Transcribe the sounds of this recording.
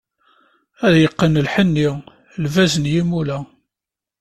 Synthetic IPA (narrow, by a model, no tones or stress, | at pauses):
æðjəqːənəlħənːi | lvæzənjimulæ